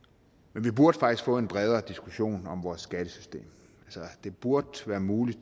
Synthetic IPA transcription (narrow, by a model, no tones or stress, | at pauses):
menʋib̥uɐd̥fɑ̈ɡ̥isɡ̥fɔ̽e̝nb̥ʁɛð̞ˠɐd̥isɡ̥uɕo̝̰ːnɒ̽mʋɒːsːɡ̥æd̥əsy̥sd̥e̝̰ːm | ælsɐd̥e̝b̥uɐd̥ʋæːɐmuːlid̥